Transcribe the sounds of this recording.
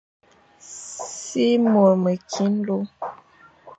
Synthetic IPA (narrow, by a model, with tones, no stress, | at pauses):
si˦mo˨ɾmə˨kʰi˨˦n˦lo˦